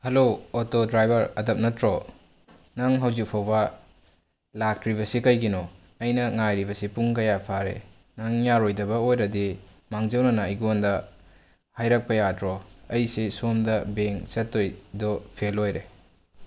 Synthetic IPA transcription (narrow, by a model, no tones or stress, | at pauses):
hɐlootodɾajbɐɾɐdɐp̚nɐtɾo | naŋɦɐwzik̚pʰawbɐ | lak̚ɾiβɐsikɐjɡino | ɐjnɐŋajɾibɐsipuŋkɐjapʰaɾḛ | naŋjaɾojdɐbɐojɾɐdi | maŋzɐwnɐnɐjɡondɐ | hajɾak̚pɐjatɾɔɐjsisomdɐbeŋsɐtːojdɔpʰelojɾe